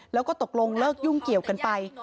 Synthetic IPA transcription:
lɛː˦˥wkɔː˥˩t̪o˨˩k̚lo˧ŋlɤː˥˩k̚ju˥˩ŋki˨˩əwka˧npa˧j

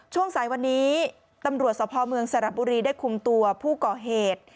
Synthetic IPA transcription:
t͡ɕʰu˥˩əŋsaː˨˩˦jwa˧nːiː˦˥ | t̪a˧mɾu˨˩ət̪̚sɔː˩˦˥pʰɔː˧mɯ˧əŋsa˧ɾa˨˩p̚buː˧ɾiː˧daː˥˩jkʰu˧mt̪u˧ɐpʰuː˥˩kɔː˨˩ɦeː˨˩t̪̚

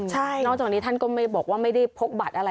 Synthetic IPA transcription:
t͡ɕʰa˥˩nɔ˥˩kt͡ɕaː˨˩kni˦˥t̪ʰa˥˩nkɔː˥˩ma˥˩jbɔː˨˩k̚waː˥˩ma˥˩jda˥˩jpʰo˦˥k̚ba˨˩t̪̚ʔa˧ɾa˧

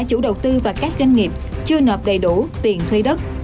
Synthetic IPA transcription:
t͡ɕṵ˧˥ɗə˨˩wt̪ɨ˧vaː˨˩kaː˦˥k̚za˧ŋ̟ŋi˨˩p̚t͡ɕɨ˧ənəː˨˩p̚ɗə˨˩jɗu˧˩t̪i˨˩ənt̪ʰwi˧jɗə˦˥t̚

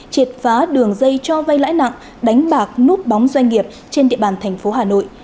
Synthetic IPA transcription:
t͡ɕi˨˩t̚faː˨˦ɗɨ˨˩əŋzə˧jt͡ɕɔ˧va˧jla̰ː˧˥jna̰˧˨ŋ | ɗa˨˦jŋ̟ɓaː˨˩k̚nu˦˥p̚ɓɔ˨˦wŋ͡mzwa˧jŋ̟ŋi˨˩əp̚ | t͡ɕe˧nɗḭ˧˨əɓaː˧˩nt̪ʰɛ˨˩jŋ̟fo˨˦ɦaː˨˩no̰˧˨j

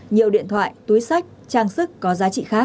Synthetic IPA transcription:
ɲi˨˩əwɗḭ˧˨ənt̪ʰwa̰ː˧˨jt̪u˨˦jsa˦˥jk̟̚t͡ɕaː˧˩ŋsɨ˦˥kkɔ˨˦zaː˨˦t͡ɕḭ˧˨xaː˦˥k̚

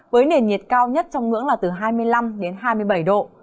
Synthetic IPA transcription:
vəː˨˦jne˨˩nɲi˨˩ət̚kaː˧wɲə˦˥t̚t͡ɕɔ˧wŋ͡mŋɨ̰˧˥əŋlaː˨˩t̪ɨ˨˩ɦaː˧jmɨ˧əjla˧mɗe˨˦nɦaː˧jmɨ˧əjɓə˧˩jɗo̰˧˨

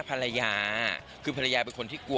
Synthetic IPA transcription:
pʰa˧ɾa˧jaː˧ | kʰɯː˧pʰa˧la˧jaː˧pe˧nkʰo˧nt̪ʰiː˥˩ku˨˩

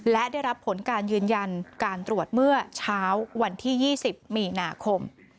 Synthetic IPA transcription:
lɛ˦˥ʔdaː˥˩jɾa˦˥pʰːo˩˦nkaː˧njɯː˧nja˧nkaː˧nt̪ɾu˨˩ət̪̚mɯ˥˩ɐt͡ɕʰaː˦˥wːa˧nt̪ʰiː˥˩jiː˥˩si˨˩p̚miː˧naː˧kʰo˧m

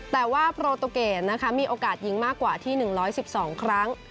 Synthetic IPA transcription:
t̪ɛː˨˩waː˥˩pʰɾoː˧t̪o˧keː˨˩t̪̚na˦˥kʰa˦˥miː˧ʔoː˧kaː˨˩t̪̚ji˦˥ŋmaː˥˩kːwaː˨˩t̪ʰiː˥˩nɯ˨˩ŋɾɔː˦˥jsi˨˩p̚sɔː˩˦ŋkʰɾa˦˥ŋ

